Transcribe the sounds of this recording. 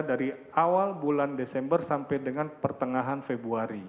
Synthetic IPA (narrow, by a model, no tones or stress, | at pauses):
daɾi | awalbulandesɛmbərsampajdəŋanpərt̪əŋaɦanfebuaɾi